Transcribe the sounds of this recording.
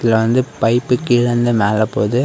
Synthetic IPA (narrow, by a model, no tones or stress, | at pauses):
ɪlɐʋɐnd̪ɯpɐɪpːɯkːɪɭɐnd̪ɯmeːlɐpoːðɯ